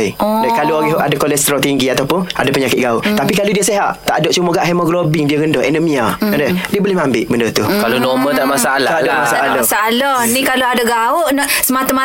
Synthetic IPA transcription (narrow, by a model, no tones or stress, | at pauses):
idakaloaɡɛɦʔadakolɛst̪ɾɔt̪iŋɡiat̪awpʊna̰dapəɲakɪt̪̚ɡaʊʔt̪apikaludiaseɦaʔt̪a̰ʔdɔʔt͡ʃumoɡaʔɦɛmɔɡlobɪŋdiaɣəndɔhɛnəmiaandədiabolɪhmambɪʔbəndərt̪ukalonɔmət̪aʔmasaalaadaamasaalɔsalɔhnikaloadaɡaʊʔnɔʔsəmat̪ama